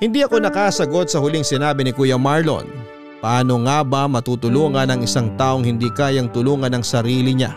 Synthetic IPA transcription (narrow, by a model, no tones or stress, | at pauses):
hɪnd̪iʔɐko̞nɐkaːsɐɡo̞t̪̚sɐhʊliŋsɪnaːbɪnɪkuːjɐmaɹlo̰n | pɐʔaːno̞ŋaːbɐmɐt̪uːt̪ʊluːŋɐnɐŋɪsaŋt̪aːʔo̞ŋhɪnd̪iːkaːjɐŋt̪ʊluːŋɐnɐŋsɐɾiːlɪɲa̰